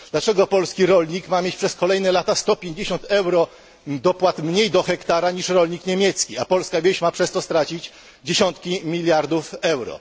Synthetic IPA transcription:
d̪̥lat͡ʂɛɡɔpɔlskʲiɾɔlɲikmamʲjet͡ɕpʂɛskɔlɛjnɛlat̪ast̪ɔpʲjeɲd͡ʑeɕɔnt̪ɛwɾɔ | d̪ɔpwat̪mɲejd̪ɔxɛkt̪aɾaɲiʂɾɔlɲikɲemʲjɛt̪skʲiapɔlskavʲjeɕmapʂɛst̪ɔst̪ɾat͡ɕit͡ɕ | d͡ʑeɕɔnt̪kʲimʲilʲjaɾd̪ufɛwɾɔ̰

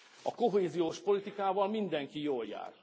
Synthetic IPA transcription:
ɒko̞ɦeːzijoːʃpo̞lit̪ikaːvɒlmind̪ɛŋkijoːlja̰ːr

